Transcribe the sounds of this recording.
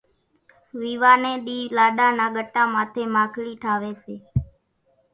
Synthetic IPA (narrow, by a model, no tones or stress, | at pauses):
ʋiːʋaːneːɗ̪iːlaːɗaːnãːɡəʈːaːmãːt̪ʰeːmaːkʰliːʈʰaːʋeːseː